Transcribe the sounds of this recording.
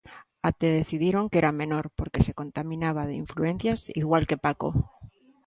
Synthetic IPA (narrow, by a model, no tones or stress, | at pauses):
at̪eðeθið̞jiɾoŋkeɾamẽnoɾpoɾkesekont̪amĩnaβ̞aðeiɱfluen̟θjasiɣwalkepako̰